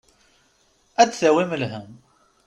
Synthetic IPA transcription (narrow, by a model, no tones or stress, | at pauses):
æd̪θæwiməlɦəm